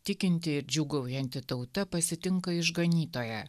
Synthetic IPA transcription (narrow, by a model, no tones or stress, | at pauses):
t̪ʲɪkʲɪnʲt̪ʲɪɪɾd͡ʒʲuːɡɐʊjɛnʲt̪ʲɪt̪ɒʊt̪ɐpɐsʲɪt̪ʲɪŋkɐɪʒɡɐnʲiːt̪oːjɛ